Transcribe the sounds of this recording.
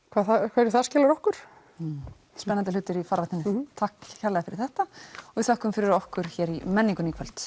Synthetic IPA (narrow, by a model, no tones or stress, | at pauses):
kʰv̥aːθakʰvaːɾ̥θascɛːlaɾɔhkʏɾ̥ | spɛnːant̪ɪlʏːt̪ɪɾifaɾvaht̪nɪnɪt̪ʰahkçaɾlɛɣafɪɾɪɾ̥θɛht̪aɔɣiθɔhkʏmfɪɾɪɾɔhkʏɾ̥çɛːɾimɛnːiŋkʏniːkʰvœl̥t̪